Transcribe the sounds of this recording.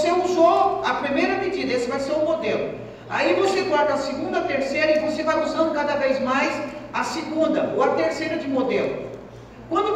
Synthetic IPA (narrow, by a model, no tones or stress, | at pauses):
seuzoɐpɾimejɾɐmed͡ʒid̪ɐesvajsẽw̃mod̪elʊ̰ | a̰ivoset̪ɔɾt̪ɐsiɡũnd̪ɐɐt̪eɾsejɾɐivosevauzɐ̃nd̪ʊkad̪ɐvejzmajsɐsiɡũnd̪ɐoɐt̪eɾsejɾɐd͡ʒɪmod̪elʊ̰ | kwɐ̃nd̪ʊ